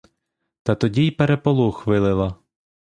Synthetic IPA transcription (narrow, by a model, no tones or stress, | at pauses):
t̪ɐt̪ɔdʲijpeɾepɔlˠuxʋɪlˠɪlˠɐ